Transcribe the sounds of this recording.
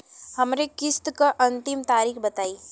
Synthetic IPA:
hɐmɾekɪst̪kaʔɐ̃nt̪ɪmt̪aːɾiːxbɐt̪aːiː

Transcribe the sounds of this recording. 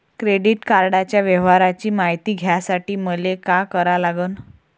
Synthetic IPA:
kɾeɽiʈkaɾɽat͡ɕjaʋɛʋ̤aɾat͡ɕiːmaɦjt̪iːɡʱjasaʈiːməlekakəɾalaɡən

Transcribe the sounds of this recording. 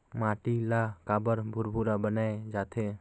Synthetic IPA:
maʈilakabəɾbʱʊɾbʱuɾabənaed͡ʒat̪ʰe

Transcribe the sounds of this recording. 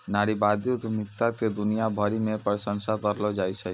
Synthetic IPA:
naːɾibaːd̪iʊt̪mɪkt̪aked̪ʊnijabʱəɾimẽpəɾsə̃nsat̪əɾlod͡ʒaːit͡ʃʰɛ

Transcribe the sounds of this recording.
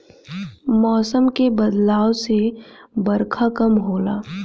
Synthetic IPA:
mɔːsəmkebɐd̪laːosebɐɾkʰakɐmɦoːla̰ː

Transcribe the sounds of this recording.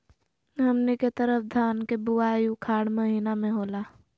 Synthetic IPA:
ɦɐmneket̪əɾəfʰd̪ʱaːnkebʊaːjũkʰaːɽməɦiːnamẽɦoːlaː

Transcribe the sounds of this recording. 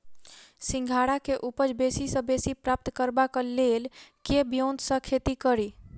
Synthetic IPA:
sĩŋɡʱaɽakeʔupəd͡ʒbesisə̃besipɾap̚t̪kəɾbakəlelkebijont̪sə̃kʰet̪ikəɾi

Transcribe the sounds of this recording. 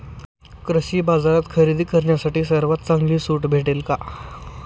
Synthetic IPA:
kɾəɕiːbad͡zaɾat̪kʰəɾid̪ʱiːkəɾɳjasaʈiːsəɾʋat̪t͡saŋɡliːsuːʈbʱeʈelka

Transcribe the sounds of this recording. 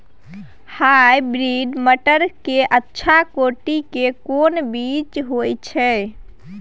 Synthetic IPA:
hajbɾiɖməʈəɾkeʔətːʃʰakoʈikekonbit͡ʃɦojt͡ʃʰɛ

